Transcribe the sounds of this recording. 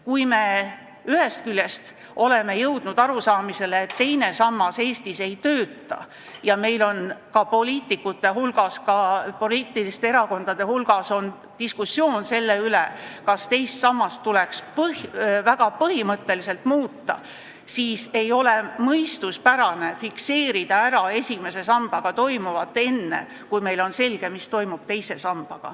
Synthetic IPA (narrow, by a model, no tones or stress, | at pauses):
kujme̞ | yhe̞st̪̚kylʲje̞st̪ | ʔo̞le̞me̞jɤwd̪̥nud̪̥ɑɾusɑːmise̞leːt̪ːe̞jne̞sɑmːɑse̞ːst̪ise̞jt̪øːt̪ːˑɑ̰ | jɑme̞jlo̞nkɑpo̞liːt̪ˑikːˑut̪ːˑe̞ɦulɡ̥ɑskɑpo̞liːt̪ːˑilist̪eeɾɑko̞nd̪̥ɑd̪̥e̞hulɡ̥ɑso̞n | t̪iskusːjo̞ːnse̞lːe̞ylekɑst̪e̞jst̪sɑmːɑst̪t̪ːule̞kspɤhvæɡ̥ɑpɤhimɤt̪ːˑe̞lise̞lt̪muːt̪ːɑ̰ | siːse̞jo̞lemɤjst̪uspæɾɑne̞fikse̞ːɾid̪ɑæɾɑe̞sʲime̞se̞sɑmb̥ɑɡ̥ɑt̪o̞jmuvɑt̪ːˑe̞nːe̞̰ | kujme̞jlo̞nse̞lɡ̥e̞mist̪o̞jmub̥t̪e̞jse̞sɑmb̥ɑɡ̥ɑ̰